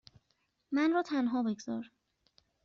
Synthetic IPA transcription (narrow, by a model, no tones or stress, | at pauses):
mænɾɔːt̪ʰænɦɒːbeɡz̥ɒ̰ːɾ